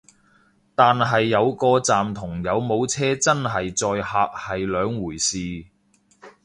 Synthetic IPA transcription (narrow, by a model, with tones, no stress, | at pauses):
t̪aː˨nɦɐ˨jːɐ˨˧wkɔː˧t͡saː˨mt̪ʰʊ˨˩ŋjɐ˨˧wmo˨˧wt͡sʰɛː˥t͡sɐ˥nɦɐ˨jt͡sɔː˧jhaː˧k̚hɐ˨jlœː˨˧ŋwuː˨˩jsiː˨